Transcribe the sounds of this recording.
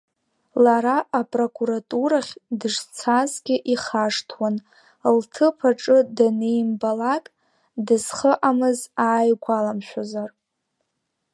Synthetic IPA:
laɾaʔapʼro̞kʼuɾatʼuɾaχʲdɨʐt͡sʰazɡʲɪʔiχaʂtʰwan | ltʰɨpʰaʈ͡ʂʼɨdanejmbalakʼ | dɨz̥χəʔamɨzaːjɡʷalamʃʷᶣozar

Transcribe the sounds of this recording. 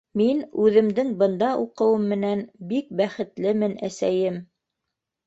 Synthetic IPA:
minʉðɘ̆md̪ɘŋbɤ̆nd̪ɑʔuqɤ̆wɤmːɘ̆nænbik̚bæχɘ̆t̪lɘmɘnæsæjɘm

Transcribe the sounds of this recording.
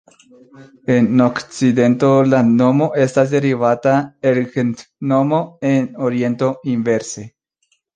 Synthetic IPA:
e̞no̞kt͡sid̪e̞nto̞lano̞mo̞ʔe̞stas̬d̪e̞ɾivataelɡent̪no̞mo̞enoɾie̞nto̞inve̞ɾse̞

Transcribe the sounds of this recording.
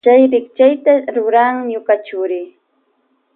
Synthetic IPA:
t͡ʃajɾɪkt͡ʃajt̪aɾʊɾaŋɲʊkat͡ʃʊɾɪ

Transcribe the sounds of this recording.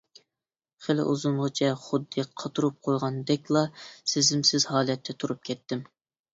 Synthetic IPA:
χelɪ̰ʔuzumʁət͡ʃʰɛχʊd̪ːɨqʰɑt̪ʰuɾup̚qʰojʁɑnd̪ɛkʲlˠɑsɪzɪmsɪzɦɑːlˠɛt̪ʰːɛt̪ʰuɾup̚kʲʰɛt̪ːɪm

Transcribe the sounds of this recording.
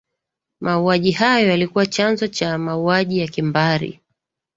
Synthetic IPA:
mʔauaʄihajɔjalikuwat͡ʃanzɔt͡ʃamauaʄijakimbaɾḭ

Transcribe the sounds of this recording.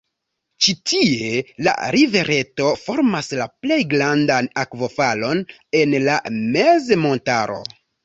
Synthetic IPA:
t͡ʃitie̞la̰ɾive̞ɾʔe̞to̞fo̞ɾmaslaple̞jɡlandanakvo̞falo̞n | e̞nlame̞zemo̞ntaɾo̞̰

